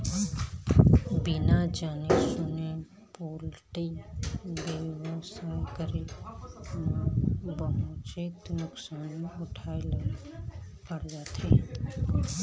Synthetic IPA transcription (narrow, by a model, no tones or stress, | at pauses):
bɪnad͡ʒaːnesʊne | poːlʈi | beʋəsajkəɾe | nãbəɦot͡ʃet̪nʊksaːnʊʈʰaːel | pəɽd͡ʒaːt̪ɦeː